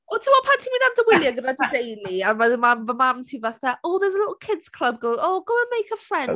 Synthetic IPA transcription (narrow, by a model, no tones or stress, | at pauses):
otʰəwɔpʰantʰiminandəwɪlˠjəɡənadədejliənməəmamvəmamtʰivəθəʔɔːðɛzəlɪtl̩ˠkʰɪdz̥kʰl̥əb̚ɡooːɡ̥owə̃nmejkəfɹɛ̃n